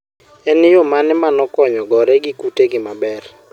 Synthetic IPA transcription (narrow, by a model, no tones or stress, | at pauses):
ɛnɪjomanɛmanɔkɔɲɔɡɔɾɛɡɪkuteɡɪmabɛr